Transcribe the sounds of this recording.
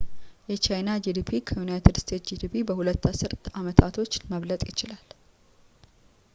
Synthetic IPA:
jɛt͡ʃajnad͡ʒid̪ipʰikʰəjunajit̪ʰɨd̪st̪ʰe̞t̪d͡ʒid̪ipʰibəhulət̪ːasɨɾt̪amət̪ʰat̪ʰo̞t͡ʃːməβlət̪ʼjɪt͡ʃɪlal

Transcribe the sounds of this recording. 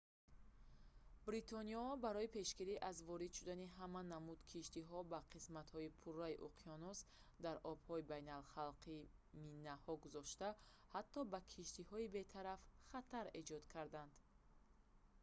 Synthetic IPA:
bɾit̪ʰɔniɔɔbaɾɔipʰe̞ʃɡiɾiʔazvɔɾid̪ʃud̪aniɦamanːamud̪kʰiʃt̪iɦɔbaqʰismat̪hɔipʰurːaiʔuqʰiɔnusd̪aɾʔɔb̥hɔibajnalχalqʰiminːahɔɡuzɔʃt̪a | hat̪ːɔbakʰiʃt̪ihɔibe̞t̪ʰaɾafχat̪ʰaɾe̞d͡ʒɔd̪kʰaɾd̪and̪

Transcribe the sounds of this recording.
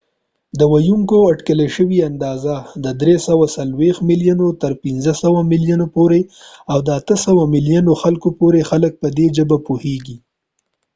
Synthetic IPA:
d̪əwajuŋkoaʈkəleʃəwiand̪ɑzad̪əd̪ɾesawasalwext̪miljanot̪əɾpinzəsawamɪljanopoɾeawd̪əat̪əsəwamɪlijanoxalkopoɾexalək̚pəd̪eʒəbapuheɡi

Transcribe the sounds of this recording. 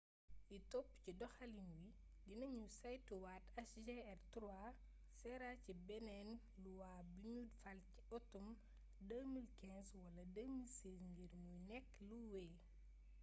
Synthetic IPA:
itɔpːcidɔxɐlinwi | dinɐɲusajtːuwaːtɐsd͡ʒeɛrtɾua | sɛɾacibɛnɛn | luwaːbiɲudfɐlci̥ɔtːɔm | dəːmilkɛ̃nswɐlɐdəːmilsɛːsŋɡiɾmujnɛkːluwɛː

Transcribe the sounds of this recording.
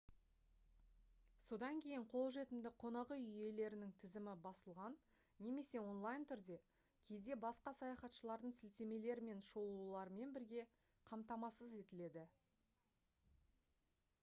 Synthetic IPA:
so̞d̪ɑŋkʲʰe̞jɪɴqʰo̞lˠʒe̞t̪ɪmd̪ɪqʰo̞nɑʁəʏje̞le̞ɾɪnɪŋt̪ʰɪzɪmɪbɑsəlˠʁɑnː | e̞me̞se̞wo̞nlˠɑjnt̪ʰʏɾd̪e̞ | kʲʰe̞jd̪e̞bɑsqɑsɑjɑχɑt̪ʃəlˠɑɾd̪əɴsɪlt̪e̞me̞le̞ɾɪme̞nʃo̞lˠulˠɑɾme̞nbɪɾɡʲe̞ | qʰɑmt̪ɑmɑsəze̞t̪ɪle̞d̪ɪ

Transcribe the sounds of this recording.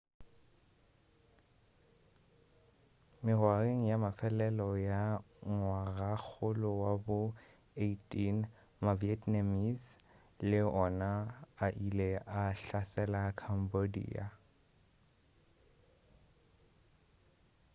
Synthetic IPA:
mɪrwareŋ̩jamafɛlɛlɔja | ŋwarak͡xʰʊlʊwabʊ | eitʼin | maviɛtnamis | lɪɔnaaʔileʔaɬasɛlakʰam̩bodḭːa

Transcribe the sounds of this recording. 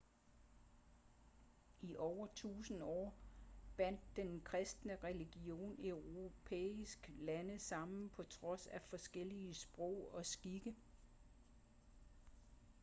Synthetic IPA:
iʔɒʊɐt͡sʰṵːsn̩ɒ̰ːb̥æn̰d̥ːenkʰʁɛsd̥nəʁɛliɡ̥io̝̰ːneʊʁo̝pʰḛːisɡ̥lænəsɑ̈m̰nn̩pʰɒ̽t͡sʰʁɒ̽sæfɒ̽sɡ̥el̰iəsb̥ʁɔʊ̰ɒ̽sɡ̥iɡ̥ə

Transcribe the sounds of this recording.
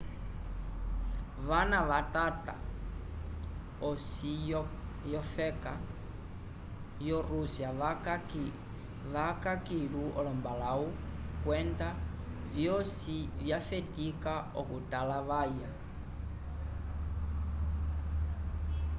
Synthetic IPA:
βanaβatata̰ | ɔsi | jɔfɛka | jɔɾusja | βakakiɺuʔɔlɔmbalaukwɛnda | vjɔsivjafetikaɔkutalaβaja

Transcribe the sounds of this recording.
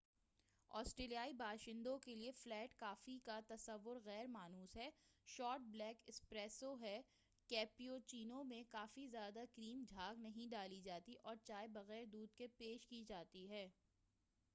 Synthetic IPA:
ɔ̰ːsʈɾeːlijaːibʱaːʃɪ̃nd̪õkelieflɛːʈkaːfikat̪ɐsɐʋːʊɾɣɛːɾmaːnuːsɦɛːʃɔːɾʈ̚blɛːkɪspɾɛːsoɦɛ | kɛːpiot͡ʃiːnõmẽkaːfizjaːd̪akɾiːmd͡ʒʱaːɡnɐɦĩɖaːlid͡ʒaːt̪iʔɔːɾt͡ʃaːebɐɣɛːɾd̪uːd̪̚kepeːʃkid͡ʒaːt̪iɦɛː

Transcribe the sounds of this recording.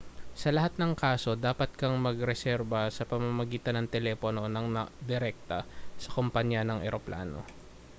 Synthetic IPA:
sɐlɐɦat̪̚nɐŋkaːso̞d̪aːpɐt̪̚kɐŋmɐɡɾɛsɛɾbɐsɐpɐmɐmɐɡiːt̪ɐnːɐŋt̪ɛlɛpono̞nɐŋnɐd̪ɪɾɛk̚t̪ɐsɐ̥kompaɲjanɐŋʔɛ̰ɾopla̰ːno̰

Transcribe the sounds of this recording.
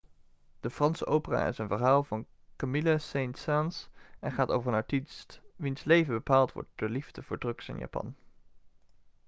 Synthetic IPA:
d̥əfrɑnsəʔowpəra̰ːɪ̰sənvəɹɦaːlˠvɑn | kamɪlasejntsansɛnχaːto̰wvərənɑtistʋinslejvəbəpaːlˠtʋɔ̰ɹt̚d̥ʊːɹlivdəv̥ʊːɹdrɵksɪ̰nja̰ːpɑ̰n

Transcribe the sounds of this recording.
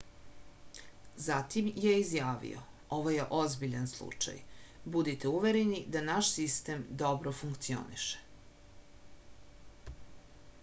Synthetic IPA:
zat̪imjeizjaːʋḭo̰ | o̞ʋojeʔozbiʎanslˠṵt͡ʃa̰jbud̪it̪euʋeɾenid̪anaʃsist̪emd̪o̞bɾofuŋkt̪sio̞̰nḭʃe̥

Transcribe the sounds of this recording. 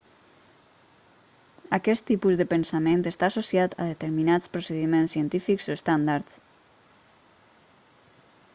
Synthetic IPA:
akɛst̪ːipuzðəpənsament̪est̪aːsosjat̪a̰ðet̪eɾminat͡spɾuseðimensiənt̪ifikzoest̪and̪aɾt̪s

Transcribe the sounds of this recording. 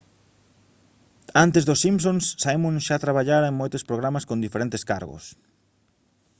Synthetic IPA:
ant̪ezðosːimpsõnssaimũnʃat̪ɾaβaʎaɾeŋmojt̪ʊspɾoɣɾamaskõnd̪ifeɾent̪eska̰ɾɣʊ̰s

